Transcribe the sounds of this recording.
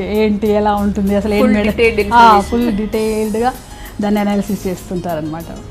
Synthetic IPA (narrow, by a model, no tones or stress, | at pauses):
eːɳʈiɛlaːuɳʈund̪iɐsɐleːmeɽeaːpulɖiʈeːlɖuɡa | d̪ɐnːɐnaːlɐsist͡ʃe̞ːst̪uɳʈaːɾɐnːɐmaːʈɐ̰